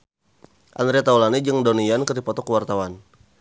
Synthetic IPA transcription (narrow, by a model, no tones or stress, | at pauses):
ʔand̪ɾiat̪aulanid͡ʒɨŋdɔnijankərdipɔt̪ɔkəwart̪awan